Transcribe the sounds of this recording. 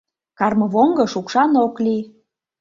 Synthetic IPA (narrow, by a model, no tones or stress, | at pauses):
kɑrmɤβoŋɡɤ̆ʃukʃɑnokli